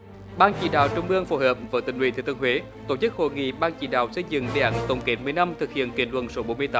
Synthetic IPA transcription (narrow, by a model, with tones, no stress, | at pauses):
ɓaː˧ŋt͡ɕḭ˧˩ɗaː˧˨wt͡ɕʊ˧wŋ͡mɓɨ˧əŋfo˧˩həː˨˩p̚vəː˨˦t̪ï˧˨˩ŋ̟wḭ˧˩t̪ʰi˧˩t̪ɨ˧hwe˨˦ | t̪o˧˩t͡ɕɨ˦˥k̚ho̰˧˨jŋḭ˧˨ɓaː˧ŋt͡ɕḭ˧˩ɗa̰ː˧˨wsə˧jzɨ̰˧˨ŋɗe˨˩ʔaː˨˩˦nt̪ə˨˩wŋ͡mke˨˦nmɨ˨əjna˧mt̪ʰɨ˨˩k̚hḭ˧˨ənki˨˩ənlwə̰˧˨nso˨˦ɓo˨˦nmɨ˧əjt̪aː˨˦m